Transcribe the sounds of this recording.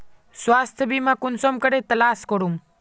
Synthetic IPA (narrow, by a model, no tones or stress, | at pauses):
swaːst̪ʰəbimãkunsomkəɽet̪ɐlaːskoɽum